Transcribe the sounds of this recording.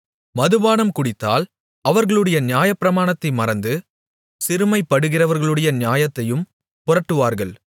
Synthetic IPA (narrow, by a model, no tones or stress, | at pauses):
mɐðɯʋaːnɐmkʊɽɪt̪ːa̰ːl | ɐʋɐɾɣɐɭɯɽɐjɐnɪjaːjɐpɪɾɐmaːɳɐt̪ːɐɪmɐɾɐnd̪ɯ | sɪɾɯmɐɪpːɐɽɯɣɪrɐʋɐɾɣɐɭɯɽɐjɐnɪjaːjɐt̪ːɐjɯm | pʊrɐʈːɯʋaːɾɣɐɭ